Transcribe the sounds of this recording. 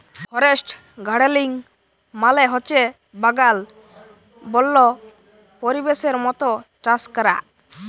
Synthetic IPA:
hɔɾesʈ | ɡʱaɽeliŋ | malɛɦɔt͡ʃe | baɡal | bɔlːɔ | poɾibeseɾmɔt̪ɔʈaskɔɾa̰ʔ

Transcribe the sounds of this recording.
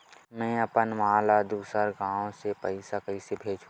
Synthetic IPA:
mɛ̃ɐpənmaːlad̪uːsəɾɡãːõsepəɪsakəɪsebʱeːd͡ʒũ

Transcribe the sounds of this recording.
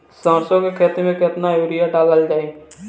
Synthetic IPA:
sə̃ːɾsõkekʰeːt̪imẽkɪt̪najuːɾɪjaɖaːləld͡ʒaːeɡ

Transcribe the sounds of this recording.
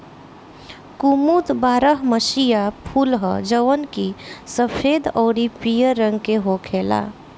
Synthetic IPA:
kumut̪baːɾəɦməʃijapʰuːlɦə̰d͡ʒəʋənkisəpʰeːd̪ɔːɾipijəɾːə̃ŋɡkeɦokʰeːla̰

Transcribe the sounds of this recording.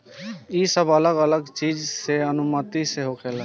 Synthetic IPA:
iːsəbələɡələɡt͡ʃiːd͡ʒseənʊmət̪iseɦoːkʰeːla

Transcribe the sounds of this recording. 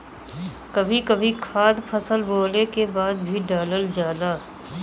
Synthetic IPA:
kɐbʱikɐbʱikʰaːd̪pʰəsəlboːlekebaːd̪̚bʱiɖaːləld͡ʒaːna

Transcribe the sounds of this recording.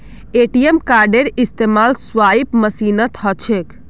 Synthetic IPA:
eʈijemkaɾɖeɾist̪emalsʋaipməsinət̪ɦət͡ʃʰek

